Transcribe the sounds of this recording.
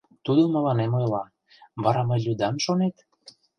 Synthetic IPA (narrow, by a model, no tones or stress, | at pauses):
t̪ud̪oməlɑnemojlɑ | βɑɾɑməjlʲud̪ɑmʃonet̪